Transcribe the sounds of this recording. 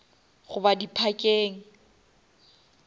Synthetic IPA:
ɣʊbadipʰakʼeːŋ̩

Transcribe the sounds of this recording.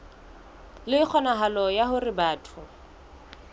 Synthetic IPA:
lɪɪk͡xʰɔnaɦalɔjahʊrɪbaːtʰʊ

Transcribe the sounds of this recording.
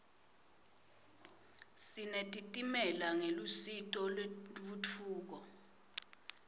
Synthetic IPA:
sinetʼitʼimɛlaŋelusitʼɔlɓut͡fʰuːk̬ɔ

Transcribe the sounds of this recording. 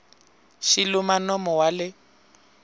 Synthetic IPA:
ʃilʊmanɔmɔwalɪ

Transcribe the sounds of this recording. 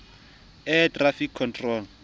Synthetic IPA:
ɛtʼrafikʰːɔntʼrɔl

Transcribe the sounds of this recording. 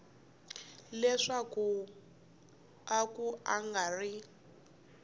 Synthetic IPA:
lɛʂaku | akuʔaŋɡari

